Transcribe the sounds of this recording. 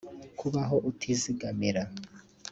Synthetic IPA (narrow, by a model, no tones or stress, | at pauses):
kʰuβaɦoʔutʰiziɡamiɾa